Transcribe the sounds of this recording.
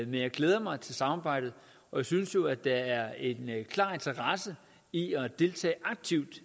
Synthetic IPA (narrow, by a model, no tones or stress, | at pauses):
menjɑ̈ɪɡ̥leːð̞ˠɐmɑ̈ɪt͡sʰe̝lsɑ̈mɑ̈ːb̥ɑ̈ɪ̰d̥ð̩ˠ | ɒ̽jaɪsynsjo̝æd̥ɑ̈æɐe̝nkʰlɑ̰̈ːe̝nt͡sʰɐʁɑsə | iɒd̥e̝lt͡sʰɛ̰ːʔɑ̈ɡ̥̚t͡sʰiʊd̥